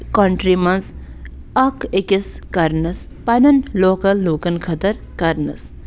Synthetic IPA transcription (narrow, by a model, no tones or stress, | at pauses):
koɳʈɾimɐns | ɐkekiskɐɾnɐs | pɐnɐnloːkɐlːuːkɐnkʰɐt̪ɐɾkɐɾnɨs